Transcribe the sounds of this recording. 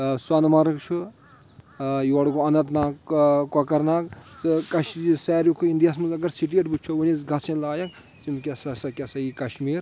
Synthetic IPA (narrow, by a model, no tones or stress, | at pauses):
sanmɐɾɐkt͡ʃʰu | joɽkoɐnɐt̪naːkkɔkɐɾnaːkkɐʃsɛːɾjukʰuiɳɖijaːsmɐnzɐɡɐɾsiʈ̬ieʈbut͡ʃʰounisɡɐsẽnlaːjɐk | simkʲɐsɐsɐkʲasɐikɐʃmiːɾ